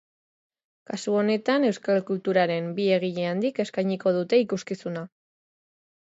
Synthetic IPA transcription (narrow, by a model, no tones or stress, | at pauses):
kasuo̞ne̞t̪ane̞wskalkult̪uɾaɾe̞mbie̞ɣ̞iʎe̞and̪ike̞skajɲiko̞ð̞ut̪e̞ikuskisuna